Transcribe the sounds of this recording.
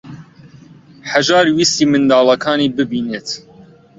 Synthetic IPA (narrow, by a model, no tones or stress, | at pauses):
ħaʒɑːɾwiːst̪iːmɨnd̪ɑːlɐkʰɑːniːbɨbiːneːt̪